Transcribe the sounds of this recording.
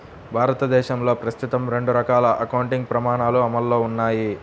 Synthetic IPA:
bʱaːɾɐt̪ɐd̪ɛːʃɐmlo̞ːpɾɐst̪ut̪ɐmɾe̞ɳɖuɾɐkaːlɐʔɐkɐwuɳʈiŋɡ̚pɾɐmaːɳaːluɐmɐlːo̞ːunːaːji

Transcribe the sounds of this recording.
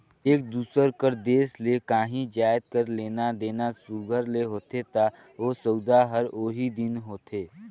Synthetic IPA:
eːk̚d̪uːsəɾkəɾd̪eːslekãːɦĩd͡ʒaːjd̪̚kəɾleːnad̪eːnasuɡʱəɾleɦoːt̪et̪a | oːsəʊd̪aɦəɾoːɦid̪ɪnɦoːt̪ʰeː

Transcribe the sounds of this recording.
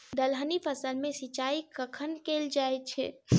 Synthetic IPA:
d̪əlɦənipʰəsəlmẽsit͡ʃaikəkʰənkeld͡ʒaj̚t͡ʃʰɛ̰

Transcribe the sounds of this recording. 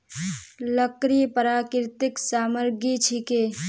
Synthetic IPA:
ləkɾipəɾaːkɾt̪ɪksaːməɾɡit͡ʃʰike

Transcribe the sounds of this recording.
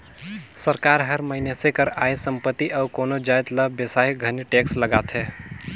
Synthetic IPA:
səɾkaːɾɦəɾməɦɪnesekəɾajsəmpət̪ːiʔəʊkoːnod͡ʒajt̪ləbesajɡʱəniʈeksləɡaːt̪ʰɦɛː

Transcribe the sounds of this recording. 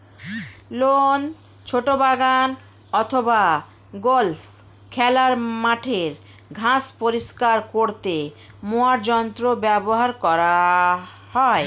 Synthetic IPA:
lon | t͡ɕʰoʈobaɡan | ɔt̪ʰoba | ɡolfʰ | kʰɛlaɾmaʈʰeɾ | ɡʱãspoɾiʃkaɾkoɾt̪e | moaɾd͡ʑɔnt̪ɾobɛboɦaɾkɔɾa | hɔe

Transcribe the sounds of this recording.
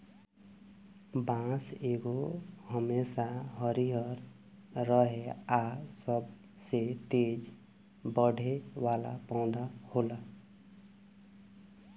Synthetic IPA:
bãseɡohəmesaɦəɾiɦəɾ | ɾəɦeasəb | set̪ed͡ʒ | bəɽʱeʋala̰paʊ̃d̪ahola

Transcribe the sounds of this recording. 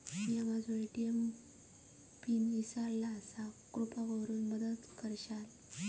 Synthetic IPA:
miamad͡zʱueʈijem | pinisaɭlaːsakɾupaɡəwɾuːnməd̪əd̪kəɾɕal

